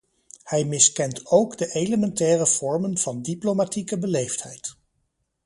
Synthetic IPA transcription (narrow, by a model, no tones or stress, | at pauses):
hɛjmɪskɛntowɡdəʔejləmɛntɛːrəv̥ɔɹmənv̥ɑndiplomatikəbəlejfthɛjt